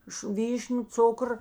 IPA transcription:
ɪʃ ˈʋʲiːʃʲnʲʊ ˈt͡sʊkr

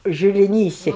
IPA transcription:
ʒʲɪlʲɪˈnʲiːsʲɛ

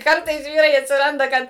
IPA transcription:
ˈkɐrtɐɪs ˈʋʲiːrɐɪ ɐtʲsʲɪˈrɐndɐ ˈkɐt

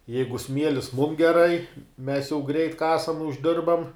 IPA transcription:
ˈjɛɪɡʊ ˈsʲmʲiɛlʲɪs mʊm ɡʲɛˈrɐɪ mʲɛs jɛʊ ɡrʲɛɪt ˈkɑːsɐm ʊʒʲˈdʲɪrbɐm

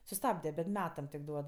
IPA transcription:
sʊˈstɑːbʲdʲɛ bʲɛt ˈmʲæːtɐm tʲɪk ˈduɔt

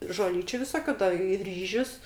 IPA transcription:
ʒoːˈlʲiːt͡ʃʲʊ ʋʲɪˈsoːkʲʊ dɐ ɪ ˈrʲiːʒʲʊs

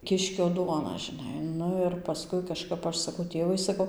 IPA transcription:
ˈkʲɪʃʲkʲoː ˈduɔnɐ ʒʲɪˈnɐɪ ˈnʊ ɪr pɐˈskʊɪ kɐˈʃkɐp ˈɐʃ sɐˈkɐʊ ˈtʲeːʋɐɪ sɐˈkɐʊ

